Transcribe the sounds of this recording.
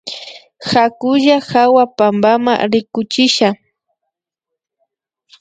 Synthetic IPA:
xakʊʒaxawapambama̰ɾɪkʊt͡ʃɪʃa

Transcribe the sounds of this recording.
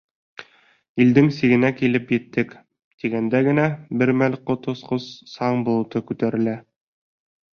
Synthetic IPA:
ild̪ɘŋsiɡɘ̆nækilɘpjɘ̆t̪ːɘk | t̪iɡænd̪æɡɘ̆næbɘɾmælqŏt̪ŏsqɤsːɑɴbulˠɤ̆t̪ɤkʉt̪æɾɘ̆læ

